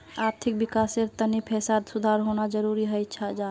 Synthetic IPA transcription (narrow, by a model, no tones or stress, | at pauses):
aɾt̪ʰik̚bikaseɾt̪ənipʰesad̪sud̪ʱaɾɦonad͡ʒəɾuɾiɦəjt͡ʃʰad͡ʒa